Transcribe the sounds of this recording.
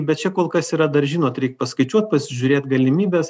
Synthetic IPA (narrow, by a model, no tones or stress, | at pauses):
bʲɛt̪̚t͡ʃʲɛkoːlˠkɐsiːɾɐd̪ɐɾʒʲɪnoːt̪ɾʲɛɪk̚pɐskɐɪt͡ʃʲuɔt̪̚pɐsʲɪʒʲʊːɾʲeːt̪ɡɐlʲɪmʲiːbʲeːs